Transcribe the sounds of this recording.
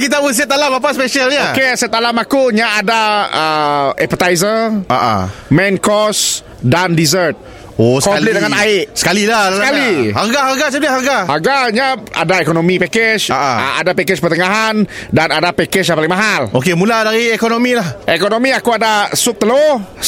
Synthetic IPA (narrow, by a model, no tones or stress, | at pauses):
kit̪abus̬ət̪alamap̬aspeʃalɲaokesət̪alamakuɲaʔːdaəɛ̰pət̪ajzəʔa̰ʔa̰mɛnkɔs | dandizərt̪̚ | oskɔmplit̪̚dəŋanaɪʔsə̥kaliladaəkalihaɡaɦarɡasənaɦaɡahaɡaɲaa̰daekonomipɛkɛt͡ʃaʔaa̰a̰dapɛkɛt͡ʃpərt̪əŋaɦandanadapɛkɛt͡ʃjãŋpalɪŋmaɦalʔokemũladaɾiekonomilahekonomiakuadasʊk̚t̪əlo